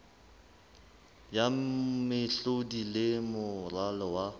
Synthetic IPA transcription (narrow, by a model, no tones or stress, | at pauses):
jamɪɬodilɪmʊralɔwa